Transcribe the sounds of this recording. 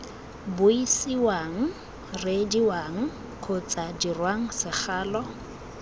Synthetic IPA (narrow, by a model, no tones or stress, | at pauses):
bʊisiwaŋ̩ | rɪdiwaŋ̩ | kʰʊt͡sʼadirwaŋ̩sɪk͡xaːlɔ